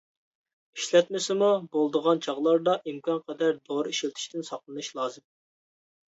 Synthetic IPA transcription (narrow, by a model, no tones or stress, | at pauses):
iʃlɛt̪mɪsɪmubolˠd̪əʁɑnt͡ʃʰɑʁlˠɑɾd̪ɑʔimkʰɑnqʰɛd̪æɾd̪oɾiʃilt̪ʰɪ̥ʃt̪ɪnsɑqlˠɨnɨʃlˠɑːzɨm